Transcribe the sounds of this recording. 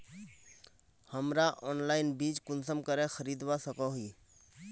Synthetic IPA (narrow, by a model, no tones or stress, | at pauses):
həmɾaʔɔːnlaːɪnbiːt͡ʃkʊnsəmkəɾẽxʰəɾiːd̪wasəkɔɦiː